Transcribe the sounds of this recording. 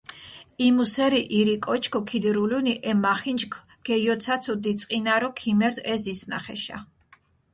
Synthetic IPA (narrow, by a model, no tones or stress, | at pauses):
imusɛɾiʔiɾikʼɔt͡ʃʰkʰɔkʰid̪iɾuluniʔɛmaχind͡ʒkʰ | ɡ̥ɛjɔt̪sʰat̪sʰɔd̪it̪sʼqʼinaɾɔkʰimɛɾd̪ɛzisna̰χɛ̰ʃa̰